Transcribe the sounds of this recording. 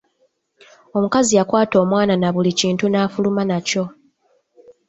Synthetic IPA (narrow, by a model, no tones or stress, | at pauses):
o̞mukazijakwaːto̞ːmwaːnanaβuliciːntunaːfulumanaco̞